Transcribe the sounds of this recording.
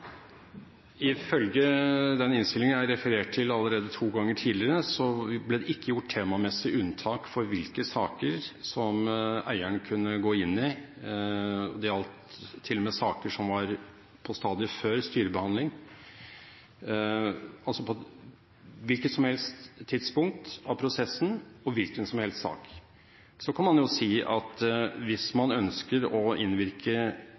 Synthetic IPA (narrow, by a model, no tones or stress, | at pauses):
ɪfœlɡəd̪ɛnɪnst̪ɪlɪŋəæɪɾɛfəɾeːʈ̚t̪ʰɪlɑlːəɾeːd̪ət̪ʰuːɡɑŋːəʈʰiːd̪lɪɾəsɔblɛːd̪ɛɪkːəjʊʈt̪ʰːeːmɑmɛsɪʉnt̪ʰɑːkfɔɾʋɪlkəsɑːkəɾsɔmæ̰ɪəɳkʰʉnːəɡoːɪnːɪ | ɔ̰d̪ɛɾɑlt̪ʰːɪlːɔmɛːsɑːkəʂɔmʋɑɾ | pʰɔst̪ɑːd̪ɪəføːɾst̪yːɾəbəhɑnlɪŋ | ɑlsɔpʰɔ | ʋɪlkət̪sɔmhɛlst̪ʰːɪt̪spʊŋk̚t̪ɑʋpʰɾʊsɛsənɔʋɪlkənsɔmhɛlst̪sɑ̰ːk | sɔkʰɑnmɑnjʊsiːʔɑt̪ʋɪsmɑnœnskəɾɔɪnʋɪɾkʰə